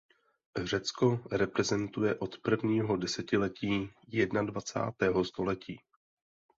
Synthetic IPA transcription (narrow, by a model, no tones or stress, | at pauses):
r̝ɛt͡sko̞ɾɛpɾɛzɛnt̪ujɛʔo̞t̪pr̩vɲiːɦo̞dɛsɛcɪlɛciːjɛdnadvat͡sa̰ːt̪ɛːɦo̞st̪o̞lɛciː